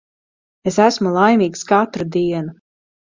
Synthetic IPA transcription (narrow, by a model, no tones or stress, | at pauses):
esæsmulˠajmiːkskat̪ɾad̪iɛna